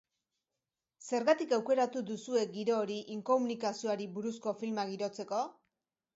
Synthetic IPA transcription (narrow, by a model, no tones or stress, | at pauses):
se̞ɾɣat̪ikawke̞ɾat̪ud̪usue̞ɡiɾo̞ːɾiʔiŋko̞munikasio̞aɾiβuɾusko̞filmaɣiɾo̞t͡se̞ko̞